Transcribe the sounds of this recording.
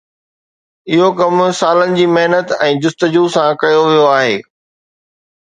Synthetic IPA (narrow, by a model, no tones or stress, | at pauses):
ɪɦokɐmsaːlənɪ̆d͡ʑiːmɐɦnət̪ɛ̃ːd͡ʑʊst̪əd͡ʑusãkɐjoʋijoaːɦeː